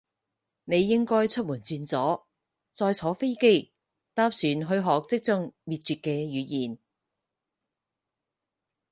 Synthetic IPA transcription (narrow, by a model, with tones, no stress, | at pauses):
ne˨˧jːɪ˥ŋkɔː˥jt͡sʰɵ˥t̚muː˨˩nt͡syː˧nt͡sɔː˨˥ | t͡sɔː˧jt͡sʰɔː˨˥fe˥jke˥j | t̪aː˥psyː˨˧nɦɵ˧ɥɦɔː˨k̚t͡sɪ˥k̚t͡sʊ˥ŋmiː˨t̚t͡ʃyː˨t̚kɛː˧jyː˨˧jiː˨n